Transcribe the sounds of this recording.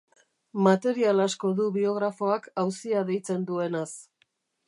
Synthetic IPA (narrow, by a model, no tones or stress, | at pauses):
mat̪e̞ɾialasko̞ðuβio̞ɣ̞ɾafo̞akawsiaðe̞jt͡se̞nd̪ue̞nas